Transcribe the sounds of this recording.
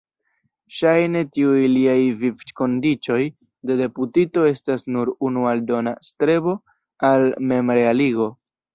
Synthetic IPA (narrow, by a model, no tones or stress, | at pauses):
ʃajne̞tiujliajvivko̞ndit͡ʃo̞j | de̞de̞putito̞e̞stasnuɾunualdo̞na̰stɾe̞bo̞ | alme̞mɾealiɡo̞